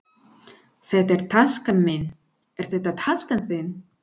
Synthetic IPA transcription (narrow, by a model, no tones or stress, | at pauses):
θɛht̪ɛɾ̥t̪ʰaskanmɪn | ɛɾ̥θɛht̪at̪ʰaskanθɪn